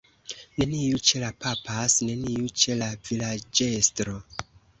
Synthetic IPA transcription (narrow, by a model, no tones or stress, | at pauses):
ne̞niut͡ʃe̞lapapasne̞niut͡ʃe̞lavilad͡ʒe̞stɾo̞